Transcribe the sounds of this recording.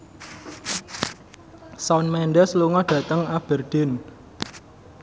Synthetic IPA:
saʊnmɛɳɖɛsluŋɔɖ̥ä̤t̪əŋab̥ɛrd̥ɪn

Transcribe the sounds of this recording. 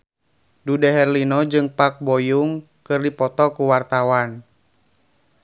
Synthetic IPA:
dudɛɦɛrlinɔd͡ʒɨŋpak̚bɔjuŋ | kɨrdipɔt̪ɔkuwart̪awan

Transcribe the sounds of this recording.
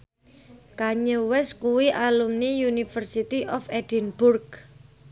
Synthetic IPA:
kaɲəwɛskuwiʔalumnijunifərsit̪iʔɔfɛd̥inb̥ʊrk

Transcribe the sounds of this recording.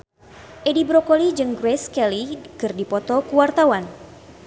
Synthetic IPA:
ʔedibɾɔkolid͡ʒɨŋɡɾɛskɛlikɨrdipɔt̪ɔkuwart̪awan

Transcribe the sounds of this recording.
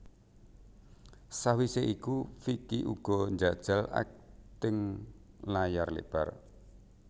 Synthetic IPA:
sawiseʔikufikiʔṵɡ̥ɔnd͡ʒad̥ʒ̥a̤la̰k̚t̪ɪŋ | lajarlḛʔb̥ar

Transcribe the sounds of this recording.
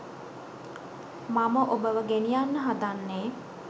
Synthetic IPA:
maməʔobəʋəɡenijanːəɦad̪anːeː

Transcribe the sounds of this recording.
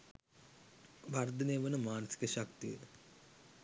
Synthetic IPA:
ʋard̪ʱəneːʋənəmaːnəsi̥kəʃakt̪ijə

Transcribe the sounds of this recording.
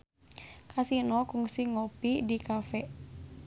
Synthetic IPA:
kʰasinɔkuŋsiŋɔpidikafɛ

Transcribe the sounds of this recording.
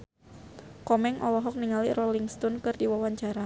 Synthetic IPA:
kɔmɛŋʔɔlɔɦɔk̚niŋalirɔliŋst̪ɔnkɨrdiwawaɲt͡ʃaɾa

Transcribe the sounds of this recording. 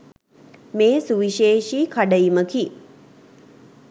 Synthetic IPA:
meːsuʋiʃeːʃiːkʰaɖəiməki

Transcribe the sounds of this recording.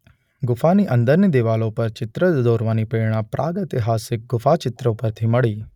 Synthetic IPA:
ɡʊpʰaːniːʔə̃nd̪əɾnid̪eːʋaːlõːpɐɾt͡ʃɪt̪ɾəd̪d̪oːɾʋaːniːpeːɽ̃aːpɾʔaːɡət̪eɦaːsɪk̚ɡʊpʰaːt͡ʃɪt̪ɾõːpɐɾt̪ʰiːmɐɽiː

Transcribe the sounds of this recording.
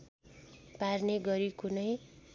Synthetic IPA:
parneɡʌɾikunʌj

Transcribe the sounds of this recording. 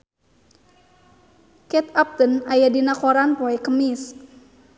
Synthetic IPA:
kɛt̪ap̚t̪ənajadinakɔɾanpɔɛkəmis

